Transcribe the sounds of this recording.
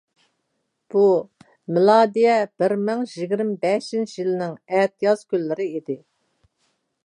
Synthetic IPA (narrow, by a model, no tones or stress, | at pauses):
b̥u | mɪlˠɑːd̪ijɛb̥ɪɾmɪŋʒiɡʲɪɾɪmbɛʃjint͡ʃijilɪnɪŋɛt̪ʰijɑz̥kʲylːɪɾɪid̪ɪ